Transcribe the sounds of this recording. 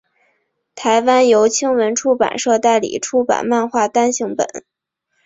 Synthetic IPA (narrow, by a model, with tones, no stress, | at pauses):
t̪ʰa˧˥ɪwa˥njo˧˥ʊt͡ɕʰi˥ŋwə˧˥nʈ͡ʂʰu˥pa̰˨˩nʂɤ˥˧t̪a˥˩ɪlḭ˨˩ʈ͡ʂʰu˥pa̰˨˩nma˥˧nxwa˥˩t̪a˥nɕi˧˥ŋpə̰˨˩˦n